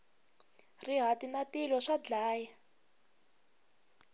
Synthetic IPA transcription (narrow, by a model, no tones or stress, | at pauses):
riɦatinatilɔʂad͡ɮaːjɛ